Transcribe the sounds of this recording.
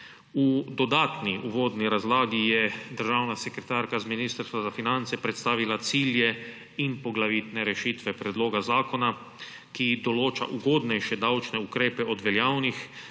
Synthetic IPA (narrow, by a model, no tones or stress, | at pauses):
ud̪ɔd̪aːt̪niʔuʋoːd̪niɾazlaːɡijɛd̪əɾʒaːwnasɛkɾɛt̪aːɾkazminiːst̪əɾst̪ʋazafinant̪sɛpɾɛt̪st̪aːʋilat̪siːljɛ | inpɔɡlaʋit̪nɛɾɛʃit̪ʋɛpɾɛd̪loːɡazaːkona | kid̪ɔloːt͡ʃa̰ʔuɡoːd̪nɛjʃɛd̪awt͡ʃnɛukɾeːpɛɔd̪ʋɛljawnix